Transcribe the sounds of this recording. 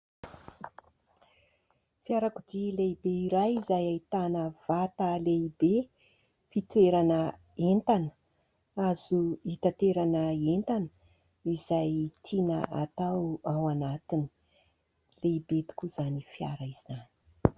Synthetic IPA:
fiaɾakud̪ileibeiɾajizajait̪anəv̥at̪əlebe | fit̪ueɾanə | ent̪anə̥ | az̥uit̪at̪eɾanəent̪anə | izajt̪ʰinəa̰t̪awawanat̪ini̥ | lebed̪i̥kʲuz̥anifia̰ɾəizani̥

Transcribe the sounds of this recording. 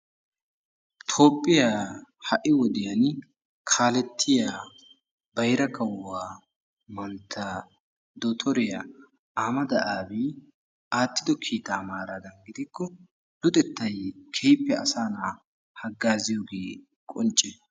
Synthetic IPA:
t̪ʰo̞ːpʼːɪjaːhɐʔɪwɔd̪ɪjɐn | kʰaːlɛt̪ʰːɪja | bɐjɾɐkʰɐwːaː | mɐnt̪ʰːa | d̪ɔt̪ʰɔɾɪja | aːmɐd̪ɐʔaːbi | aːt̪ːɪd̪ɔkʰiːt̪aːmaːɾaːd̪ɐnɡɪd̪ɪkːɔ | dʊt̪ʼɛt̪ːɐjkʰejpːɛɐ̰saːnaː | hɐɡːaːzɪjoːɡeː | kʼɔnt͡ʃʼːɛ

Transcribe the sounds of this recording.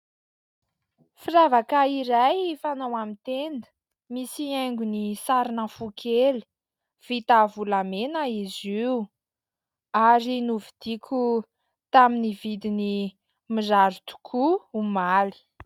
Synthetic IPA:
firavakaiɾajfanawamint̪end̪ə̥ | misieŋɡunisaɾinəfukʰeli̥ | v̥it̪avulamenaiziu | aɾinuvid̪̥ikʲʰu | t̪aminivid̪ini | mizaɾut̪u̥kʰuumali̥

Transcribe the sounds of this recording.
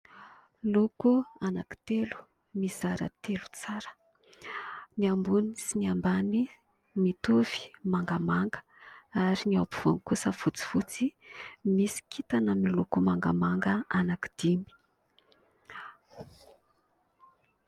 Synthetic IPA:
lokuanaki̥t̪elu̥ | mizaɾə̰t̪elu̥t͡saɾə̥ | niambunisiniambani | mit̪uv̥i̥maŋɡamaŋɡə̥ | aɾiniawpuv̥onikusəfut͡si̥fut͡simisi̥kit̪anamilokumaŋɡamaŋɡəanaki̥d̪̥imi̥

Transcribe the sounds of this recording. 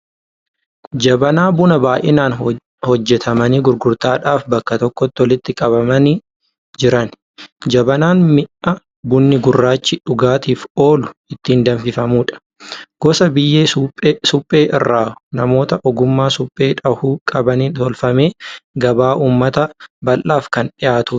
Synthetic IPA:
d͡ʒɐbɐnaːbʊnɐbaːjʔɪnaːn | hɔd͡ʒːɛt̪ʰɐmɐniːɡʊɾɡʊɾt̪aːᶑaːfbɐkːɐt̪ɔkːɔt̪ːɪɔlɪt̪ːɪkʼɐβɐmɐnɪ | d͡ʒɪɾɐn | d͡ʒɐbɐnaːnmɪʔɐ | bʊnːɪɡʊrːaːt͡ʃːɪᶑʊɡaːt̪iːfo̞ːlʊɪt̪ːɪiːnd̪ɐnfɪfɐmuːᶑɐ̥ | ɡ̥ɔsɐbɪjːeːsʊpʼːe̞ːʔɪrːaːnɐmo̞ːt̪ɐʔɔɡʊmːaːsʊpʼːe̞ːᶑɐhuːkʼɐbɐniːt̪ɔlfɐme̞ːɡɐbaːʔuːmːɐt̪ɐbɐlːaːfkɐnᶑɪjaːt̪uː

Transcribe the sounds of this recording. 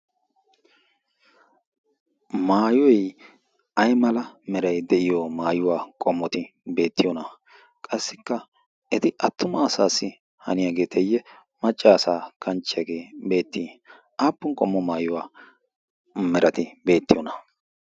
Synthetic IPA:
maːjɔj | ʔɐjmɐlɐmɛɾɐjd̪ɛʔɪjomaːjʊwaːkʼɔmːɔt̪ɪbe̞ːt̪ːɪjɔnɐ | kʼɐsːɪkːɐ | ɛt̪ɪʔɐt̪ːʊmɐːsaːsːɪ | hɐ̰nɪjaɡe̞ːt̪ʰɛjːɛ | mɐt͡ʃʼːaːsaːkʰɐnt͡ʃːɪjɐɡe̞ːbe̞ːt̪ːiː | ʔaːpːʊŋkʼɔmːɔmaːjʊwaː | mɛɾʔɐt̪ɪbe̞ːt̪ːɪjɔnɐ

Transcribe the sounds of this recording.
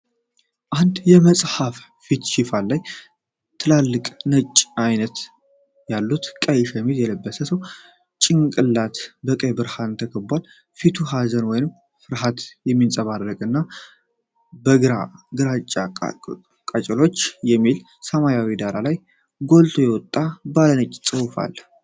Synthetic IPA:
ʔand̪jɛməsʼhaf | fit̪ʃɪfalːaj | t̪ʰɨlalːɨkʼnət͡ʃʼːajnət̪ | jalːut̪kʼəjɪʃaɛmiljɛləbːəsəsəw | t͡ʃʼɪŋkʼɨlːat̪bəkʼəjbɨɾhaɨnt̪ʰəkʰəbal | fit̪ʰuɦazənwɔjɪnɨm | fɨɾɦat̪jɛmːinsʼəβarːəkʼɨnːa | bəɨɾaɡɨɾat͡ʃʼːa | kʼat͡ʃʼɛlo̞t͡ʃːjɛmːil | səmajawid̪aɾalaj | ɡo̞lt̪ʰo̞jɛwɔt̪ʼːabalənət͡ʃʼt͡sʼɨwfa̰l

